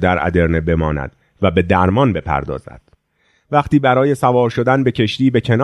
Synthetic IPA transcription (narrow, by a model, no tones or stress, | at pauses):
d̪æɾʔæ̰d̪e̞ɾne̞be̞mɒːnæ̰d̪̥ | væbe̞d̪æɾmɒnbe̞pʰæ̰ɾd̪ɒ̰ːzæ̰d̪̥ | væχt̪iːbæɾɒːje̞sævɒːɾʃo̞d̪ænbe̞cʰe̞ʃt̪iːbe̞cʰe̞nː